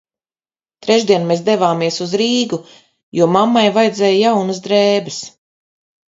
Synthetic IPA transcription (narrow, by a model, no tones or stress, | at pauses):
t̪ɾɛʒd̪iɛnmeːs̬d̪evaːmiɛsuzɾiːɡu | juɔmamːajvajd̪zɛːjjawnɐzd̪ɾɛːbɛs